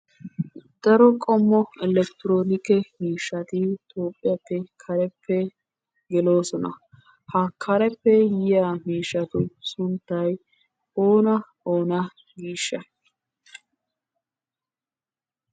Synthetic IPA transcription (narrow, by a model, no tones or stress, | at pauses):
d̪ɐɾɔkʼɔmːɔɛlɛkt̪ɪɾo̞ːnɪkɛmiːʃːɐt̪ɪt̪ʰo̞ːpʼːɪjɐpːɛkʰɐɾɛpʰːɛ | ɡɛlo̞ːsɔnɐ̰ | hɐkʰɐɾɛpːɛjɪjamiːʃːɐt̪ʊsʊnt̪ːɐj | oːnɐ | oːnɐ | ɡiːʃːɐ